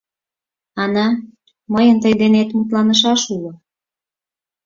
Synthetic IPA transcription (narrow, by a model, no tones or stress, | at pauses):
ɑnɑ | məjənt̪əjd̪enet̪mut̪̬lɑnəʃ̬ɑʃulo